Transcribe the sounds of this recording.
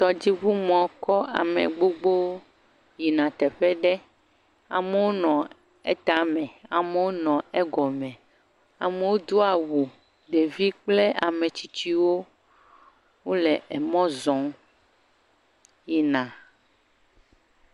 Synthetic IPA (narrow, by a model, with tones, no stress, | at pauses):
t̪ɔ˨d͡ʑi˦βu˦mɔ̃˨kɔ˦a̰˨mḛ̃˨ɡ͡bo˦ɡ͡bo˦ | ji˨nã˨t̪ɛ˨ɸɛ˦ɖɛ˦ | a̰˨me˨wo˦nɔ̃˨ | ɛ˦t̪a˨mɛ̃˨a˨me˦wo˦nɔ̃˨ɛ˦ɡɔ˨mɛ̃˨ | a˨me˦wo˦d̪o˦a˨wu˨ | ɖe˨vi˦k͡ple˦a˨mẽ˨t͡ɕi˦t͡ɕi˦wo˦ | wo˦lɛ˨ɛ˨mɔ̃˦zɔ̃˨˦m | ji˨nã˨